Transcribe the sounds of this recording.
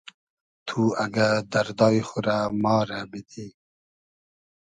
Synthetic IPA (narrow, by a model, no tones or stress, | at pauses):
t̪ʰuaɡad̪aɾd̪ɑːixʊɾamɑːɾabit̪ʰi